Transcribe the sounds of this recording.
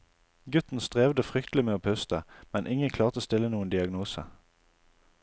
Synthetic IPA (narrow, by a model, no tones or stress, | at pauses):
ɡʉt̪n̩st̪ʁeːʋd̪əfʁʏkt̪lɪmeːoːpʰœst̪əmɛnʔɪŋənkʰlɑːʁt̪əst̪ɪlənuːənd̪ɪɑɡnuːsə̰